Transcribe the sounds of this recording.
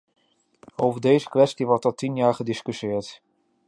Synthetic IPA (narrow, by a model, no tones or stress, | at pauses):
owvəɹdejzəkʋɛstiʋɔɹtɔtinjaːɹχədɪskysɪːɹt